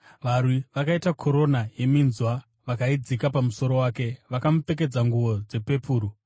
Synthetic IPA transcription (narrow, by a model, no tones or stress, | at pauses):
ʋarwiʋakaitakʰo̞ɾo̞naje̞minzwa | ʋakaid͡zikapamuso̞ɾo̞waːke̞ʋakamupe̞k̬e̞d͡zaŋɡuʋo̞d͡ze̞pe̞puːɾu